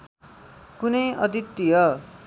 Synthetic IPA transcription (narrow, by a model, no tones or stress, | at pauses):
kunʌjʌd̪it̪ːijʌ